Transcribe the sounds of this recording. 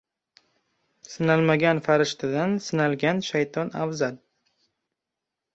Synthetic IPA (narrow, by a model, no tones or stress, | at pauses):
sɪnalmaɡʲanfaɾɪʃt̪ʰɪd̪ansɪnalˠɡʲanʃajt̪ʰɒna̰vzal